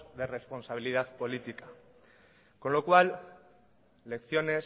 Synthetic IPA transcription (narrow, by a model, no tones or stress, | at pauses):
ðe̞re̞spo̞nsaβ̞ilið̞aðpo̞lit̪ika | ko̞nlo̞kwal | e̞kθjo̞ne̞s